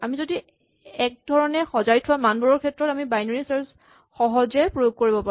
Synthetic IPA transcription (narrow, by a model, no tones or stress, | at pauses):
amizodi | ɛk̚dʱɔɹɔnɛxɔzaɹitʰʊwamanbɔɹɔɹkʰɛtːɹɔtamibajnoɹisɛɹs | xɔɦɔzɛpɹojoɡ̚koɹibɔpa